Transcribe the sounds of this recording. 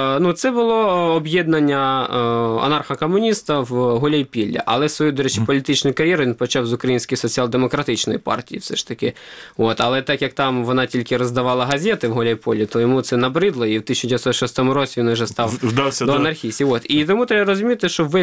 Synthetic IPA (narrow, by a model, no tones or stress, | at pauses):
nut̪sɛbʊlˠɔɔbjɛd̪nɐnʲːɐ | ɔ̰nɑrxɐkɔmʊnʲist̪ɐwɦɔlʲɐjpʲilʲːɐ̰ʔɐlˠɛsʋɔjud̪ɔɾɛt͡ʃɪpɔlʲit̪ɪt͡ʃnʊjʊkɐɾʲjɛɾʊʋʲinpɔt͡ʃɑwzʊkɾɐjinʲsʲkɔjsɔt͡sʲiɑlˠd̪emɔkɾɐt̪ɪt͡ʃnɔ̰jipɑ̰rtʲijifsɛʃt̪ɐkɪ | ot̪ɐlˠɛt̪ɑkjɐk̚t̪ɑmʋɔnɑtʲilʲkɪɾɔzd̪ɐʋɑlˠɐɦɐzʲɛt̪ɪwɦɔlʲɐjpɔlʲit̪ɔjɔmut̪sɛnɐbɾɪd̪lˠɔiwt̪ɪsʲnʊd͡ʒʲɛsɔt̪ʃɔst̪ɔmʊɾɔt͡sʲiʋʲinʊʒɛst̪ɑwd̪wʲd̪ɔɐnɐrxʲisʲtʲiot̪it̪ɔmut̪ɾʲɛbɐɾɔzʊmʲit̪ɪʃt͡ʃɔʋɪ